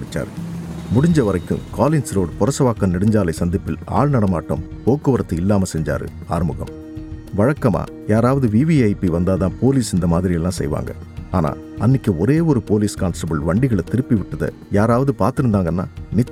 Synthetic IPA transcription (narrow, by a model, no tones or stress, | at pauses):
ɪt͡ʃːa̰ːɾɯmʊɽɪɲd͡ʒɐʋɐɾɐɪkːɯ̰̃kaːlɪnsɾoːɽɯpɔɾɐsɐʋaːkːɐnnɪɽɪɲd͡ʒaːlɐɪsɐnd̪ɪpːɪla̰ːɭnɐɽɐmaːʈːɐ̰m | poːkːɯʋɐɾɐt̪ːɯɪlːaːmɐsɛɲd͡ʒa̰ːɾɯ̰ | aːɾɯmɯɣɐ̰m | ʋɐɻɐkːɐma̰ː | jaːɾaːʋɐðɯʋiːʋiɐɪpiʋɐnd̪aːðãːpoːliːsɪnd̪ɐmaːðɪɾɪjɛlːãːsɛ̰jʋa̰ːŋɡɐ̰ | a̰ːna̰ː | ɐnːɪkːɯɔɾeːɔɾɯpoːliːskaːnsʈɐbɐɭʋɐɳɖɪɣɐɭɛt̪ɪɾɯpːiʋɪʈːɐðɐ̰ | jaːɾaːʋɐðɯpaːɾt̪ɪɾɯnd̪aːŋɡɐnːa̰ːnɪt͡ʃː